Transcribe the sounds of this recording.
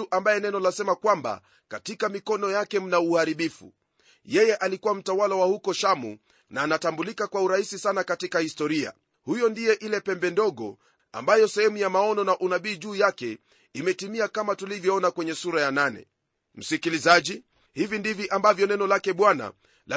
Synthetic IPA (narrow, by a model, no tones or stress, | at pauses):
uʔambajɛnɛnɔlasɛmakwamba̰ | katikamikɔnɔjakɛm̩nauhaɾiɓifṵ | jɛjɛʔalikuwam̩tawalawahukɔʃamṵ | naːnatambulikakwauɾahisisanakatikahistɔɾia̰ | hujɔndijɛʔilɛpɛmbɛndɔɠɔ̰ | a̰mbajɔsɛhɛmujamaɔnɔnaʔunaɓiːʄuːjakɛ | imɛtimiakamatulivjɔɔnakwɛɲɛsuɾajananɛ̰ | m̩sikilizaʄi | hivindiviʔambavjɔnɛnɔlakɛɓwana̰ | la